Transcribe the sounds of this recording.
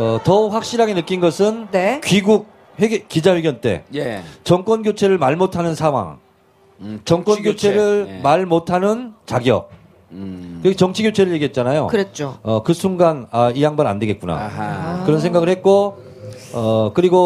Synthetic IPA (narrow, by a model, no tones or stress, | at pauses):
ʌtʌɸwak̚ɕ͈iɾaɡe̞nɯk͈inɡʌsʰɯnnekɥiɡuk̚ | hek͈id͡ʑaweɡjʌnt͈e̞̰t͡ɕʌŋk͈wʌnɡjot͡ɕʰe̞ɾɯɭmaɭmotʰanɯnsʰaŋwa̰ŋ | t͡ɕʌŋk͈wʌnɡjot͡ɕʰe̞ɾɯɭmaɭmotʰanɯnt͡ɕaɡjʌ̰ | kɯkt͡ɕʌŋt͡ɕʰiɡjot͡ɕʰe̞ɾɯɭje̞ɡiɦet̚t͡ɕ͈anajo̰kɯɾet͡ɕ͈oʌkɯsʰuŋɡanaijaŋbaɾa̰nde̞ɡe̞t̚kuna̰kɯɾʌnsʰe̞ŋɡaɣɯɭhe̞t̚k͈o | ʌkɯɾiɡo